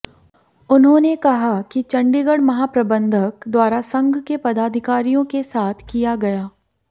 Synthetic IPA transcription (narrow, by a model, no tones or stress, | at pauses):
ʊnɦõːnekɐɦakit͡ʃɐ̃ɳɖiɡəɽmɐɦaːpɾɐbə̃nd̪ʱəkd̪waːɾasɐ̃ŋɡʱkepɐd̪aːd̪ʱɪkaːɾijõkesaːt̪ʰkijaɡɐjaː